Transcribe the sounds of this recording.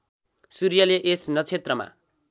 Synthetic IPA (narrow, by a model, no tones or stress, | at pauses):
suɾijʌleʔesnʌt͡sʰet̪rʌma̰